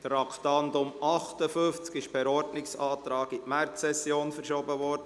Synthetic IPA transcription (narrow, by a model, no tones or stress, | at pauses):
t̪rɑkʰtɑnd̪ʊmɑχtəfʏft͡skɪʃpɛɾɔɾdnɪksɑːt̪ɾɑːɡɪʔmæɾt͡sɛsjoːnfəɾʃoːbəvɔːɾdə